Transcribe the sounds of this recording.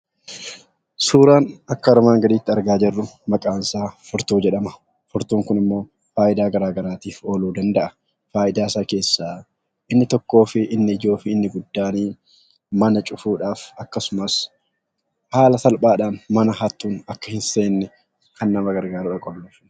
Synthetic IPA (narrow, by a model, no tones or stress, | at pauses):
suːɾaːnɐkːɐɔɾɔmaːŋɡɐd̪iːt̪ːɪɐɾɡaːd͡ʒɛrːʊmɐkʼaːnsaːfʊɾt̪uːd͡ʒɛᶑɐmɐ | fʊɾt̪uːŋkʊnɪmːo̞ː | faːʔɪd̪aːɡɐɾaːɡɐɾaːt̪iːfo̞ːluːd̪ɐnd̪ɐʔɐ | faːʔɪd̪aːsaːke̞ːsːaː | ʔɪnːɪt̪ɔkːo̞ːfɪʔɪnːɪɪd͡ʒo̞ːfɪɪnːɪɡʊd̪ːaːniː | mɐnɐt͡ʃʼʊfuːᶑaːfɐkːɐsʊmɐs | haːlɐsɐlpʼaːᶑaːnmɐnɐɦɐt̪ːuːnɐkːɐhɪnse̞ːnːɛ | kɐnːɐmɐɡɐɾɡaːɾuᶑɐkʼɔlːɐfn